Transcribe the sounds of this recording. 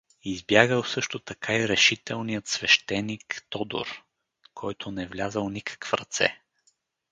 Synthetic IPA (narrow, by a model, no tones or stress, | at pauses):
izbjaɡəlˠsɤʃt̪ot̪ɐkʰaiɾɛʃit̪ɛlˠnijət̪svɛʃt̪ɛnikt̪ɔd̪o̰ɾ | kʰɔjt̪ʰʊnɛvlʲazəlˠnikʰə̥kfɾɐt̪sɛ̰